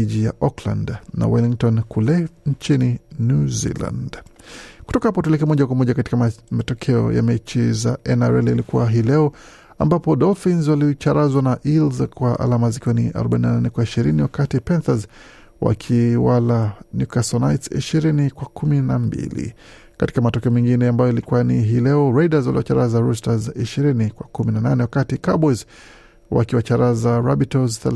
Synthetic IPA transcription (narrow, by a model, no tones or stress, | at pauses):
iʄija̰ʔɔkla̰ndna̰wiliŋtɔnkʰulɛɲt͡ʃininjuzḭla̰ndku̥tɔkahapɔt̬uɛlikɛmɔʄakwamɔʄakati̥kamatɔkʰɛɔ̰ja̰mɛt͡ʃizaɛnaɾɛlilikuwaɦilɛɔ | ambapɔɗɔfinzwalit͡ʃaɾazwanaʔilzkwaʔa̰lamazikiwɔniʔa̰ɾɔɓaininananɛkwaiʃiɾiniwakatipɛnθaz | wa̰kʰiwalanukasɔnajtsḭʃiɾinikwakuminambḭlḭ | kati̥kamatɔkɛɔmɛŋɡinɛambajɔjalikuaniɦilɛɔɾaidazwa̰liwa̰t͡ʃaɾazaɾustaziʃiɾinikwakuminananɛwakatikabɔz | wa̰kiwat͡ʃaɾazaɾabitɔzθɛ